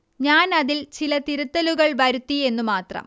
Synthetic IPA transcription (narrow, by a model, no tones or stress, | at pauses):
ɲaːnɐðilt͡ɕilɐt̪iɾut̪ːɐluɣɐɭʋɐɾut̪ːie̞nːumaːt̪rɐ̰m